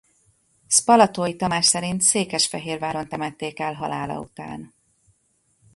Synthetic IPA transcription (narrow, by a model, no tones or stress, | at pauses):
spɒlɒt̪oːjit̪ɒmaːʃsɛɾint̪seːkɛʃfɛɦeːrvaːɾo̞nt̪ɛmɛt̪ːeːkɛlɦɒ̰laːlɒ̰ṵt̪a̰ːn